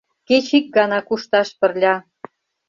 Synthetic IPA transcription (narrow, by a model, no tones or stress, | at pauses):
ket͡ɕik̚ɡɑnɑkuʃt̪ɑʃpə̆rlʲɑ